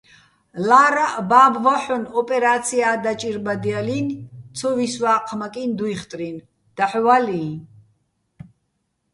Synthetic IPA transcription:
laːɾabaːbvaħɔnɔpʼɛɾat̪sʰiaːd̪at͡ʃʼiɾbad̪ialint̪t͡sʰɔviswaːqʰmakʼind̪uiχt̪ʼɾin | d̪̥aħvaliː

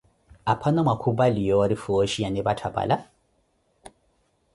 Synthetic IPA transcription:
apʰanamwakʰubalijɔwaɾifɔʃianɛbatʰaba̰la

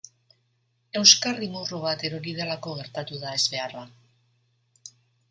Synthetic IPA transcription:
e̞wskarimuroβ̞at̪e̞ɾoɾið̞elako̞ɣ̞e̞ɾt̪at̪uðae̞zβe̞ara

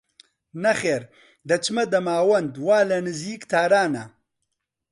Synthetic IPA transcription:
nɐxeːɾ | d̪ɐt͡ʃmɐd̪ɐmaːwɐnd̪waːlɐnɨziːkt̪ʰaːɾaːnɐ

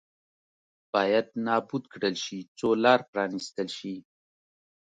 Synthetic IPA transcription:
b̥ɑjad̪nɑbud̪kɽəlʃit͡solɑɾpɾɑnist̪əlʃi

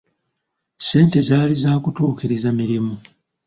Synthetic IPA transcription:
se̞ːnte̞zaːlizaːkutuːkiɾizamiɾimu

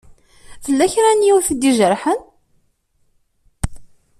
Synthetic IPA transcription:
θəlːæçɾænjiwθd̪iʒəɾˤħən

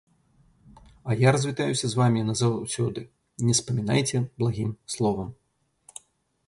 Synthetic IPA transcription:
ɐjaɾɐzʲvʲit̪ajusʲɐzvamʲinɐzawwsʲɔd̪ɨ | nʲɛspɐmʲina̰jt͡sʲɛblˠaɣʲimslˠɔvɐm

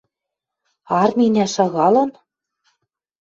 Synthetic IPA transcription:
ɑrminʲæʃɑɣɑlɤ̆n

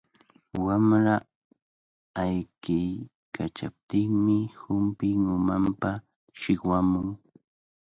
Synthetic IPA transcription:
wamɾa | ajkɪj | kʰat͡ʃap̚t̪ɪŋmɪhʊmpɪŋʊmampa | ʃɪkwamʊŋ

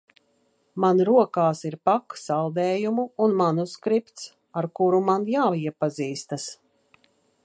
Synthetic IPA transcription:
manɾuɔkaːsiɾpaksalˠd̪ɛːjumuːnmanuskɾipt̪s | aɾkuɾumanjaːiɛpaziːst̪as

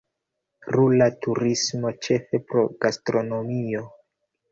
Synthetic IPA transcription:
ɾulatuɾismo̞t͡ʃe̞fe̞pɾo̞ɡastɾo̞no̞mio̞

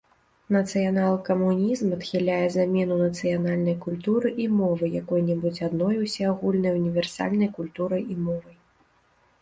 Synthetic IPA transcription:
nɐt̪sɨjanalˠɨkɐmunʲizmɐt̪xʲilʲajɛzamʲɛnunɐt̪sɨjanalʲnɐjkulʲt̪uɾɨʔimɔvɨjakɔjnʲɛbut͡sʲad̪nɔjusʲɛaɣulʲnɨjunʲivʲɛrsa̰lʲnɐjkulʲt̪uɾɐjimɔvɐj

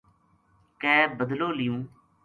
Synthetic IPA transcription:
kɛːbəd̪loːlɪjũː

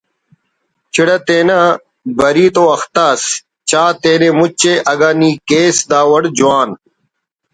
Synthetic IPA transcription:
t͡ɕʰiɽɐt̪eːna | bɐɾiːt̪oːɐxt̪aːs | t͡ɕaːt̪eːnemut͡ɕeʔɐɡaːniːkeːsd̪aːwɐɽd͡ʑuwaːn

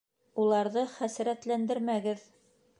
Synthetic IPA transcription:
ulˠɑɾðɤχæsɾæt̪lænd̪ɘɾmæɡɘð

